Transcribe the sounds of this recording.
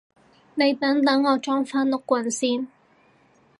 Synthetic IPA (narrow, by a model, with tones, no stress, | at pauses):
ne˨˧jt̪ɐ˨˥ŋt̪ɐ˨˥ŋɔː˨˧t͡ʃɔː˥ŋfaː˥nlʊ˥kːʷɐ˨˩nsiː˥n